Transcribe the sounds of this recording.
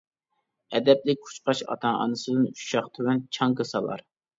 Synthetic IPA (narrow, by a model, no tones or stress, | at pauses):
ɛd̪ɛplɪk̚ʲkʰu̥t͡ʃqɑʃɑ̰t̪ʰɑŋɑ̰nɨsɨd̪ɨnu̥ʃɑχt̪ʰywɛnt͡ʃʰɑŋɡɨsɑlˠɑ̰ɾ